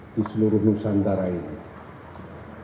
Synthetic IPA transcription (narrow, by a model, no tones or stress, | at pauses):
d̪̥isəluɾuhnusand̪aɾain